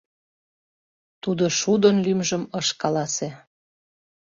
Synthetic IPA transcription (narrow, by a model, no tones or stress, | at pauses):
t̪ud̪oʃud̪onlymʒə̆məʃkɑlɑse